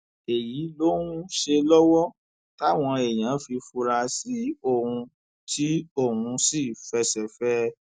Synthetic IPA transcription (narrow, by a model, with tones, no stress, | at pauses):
e˨ji˨˦lo˦ɾ̃ũ˦ʃe˧lɔ˦wɔ˦ | ta˦˨w̃ɔ̃˧e˨j̃ã˨˦fi˧fu˧ɾa˧si˨˦o˦˨hũ˧ | tʰi˦o˦˨ɦũ˧si˦˨fɛ˧˦sɛ˨fɛ˦